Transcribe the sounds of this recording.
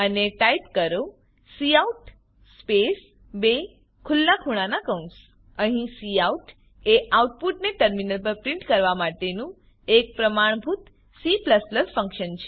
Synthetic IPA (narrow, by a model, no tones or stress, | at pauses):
əneʈaipkəɾo | siauʈ | spes | be | kʰʊlnakʰuɽ̃anakəũɳʈs | əɦĩsiauʈ | eʔauʈ̚puʈneʈəɾminəlpəɾpɾɪ̃ɳʈkəɾʋamaʈenũ | ek̚pɾəmaɳ̃bʱut̪ | sipləsləsfə̃ŋkʃənt͡ʃʰe̥